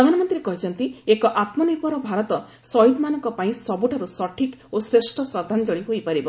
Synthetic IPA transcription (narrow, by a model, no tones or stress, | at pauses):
pɾɾɔd̪ʱanɔmɔnt̪ɾiɾekɔɾit͡ʃɔnt̪iekɔʔat̪mɔnipɔɾɔbʱaɾɔt̪ɔ | sɔjud̪manɔŋkɔpaĩsɔbuʈʰaɾusɔʈʰikosɾesʈʰɔsɔd̪ʱand͡ʒɔɭiɦojpaɾibɔ